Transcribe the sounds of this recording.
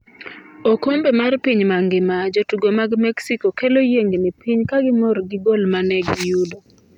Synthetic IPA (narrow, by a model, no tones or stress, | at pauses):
okombemarpiɲmaŋɡɪmad͡ʒotuɡomaɡmɛksikokelojeŋɡnɪpiɲkaɡɪmɔɾɡɪɡolmanɛɡɪjudo